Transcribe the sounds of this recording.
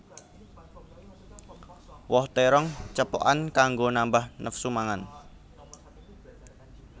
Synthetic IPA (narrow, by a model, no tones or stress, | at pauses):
wɔht̪ɛɾɔŋt͡ʃəpɔ̰ʔankaŋɡonambahnəfsumaŋan